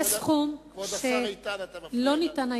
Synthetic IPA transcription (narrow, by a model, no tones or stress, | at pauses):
esχumʃe | lo̞nit̪ana